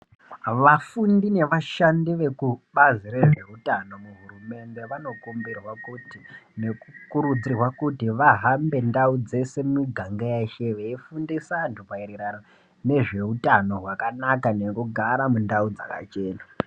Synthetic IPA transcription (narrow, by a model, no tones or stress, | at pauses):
ʋafundine̞ʋaʃandiʋe̞kuɓaziɾe̞ʐe̞utano̞muɦuɾume̞nde̞ʋano̞kumbirwakutine̞kukuɾud͡zirwakutiʋaɦambe̞ndaud͡ze̞se̞miɡʱaŋɡejaʃeʋeifundisantupaiɾiɾano | ne̞ʐe̞utano̞ɦwakanakane̞kuɡʱaɾamundaud͡zaka̰t͡ʃe̞ːna